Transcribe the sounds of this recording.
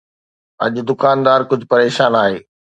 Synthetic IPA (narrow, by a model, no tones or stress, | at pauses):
ɐ̰ʄʊ̆d̪ʊkaːnd̪aːɾkʊd͡ʑʱʊpɐɾeːʃaːnaːɦeː